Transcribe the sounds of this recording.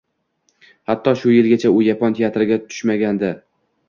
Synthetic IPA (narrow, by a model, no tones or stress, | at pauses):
hat̪ʰːɒʃʊjɪlɡʲat͡ʃʰaʊjapʰɒnt̪ʰejat̪ʰɾɪɡʲat̪ʰʊ̥ʃmaɡʲand̪ɪ